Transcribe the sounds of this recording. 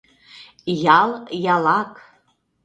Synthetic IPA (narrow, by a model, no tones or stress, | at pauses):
jɑlˠjɑlɑk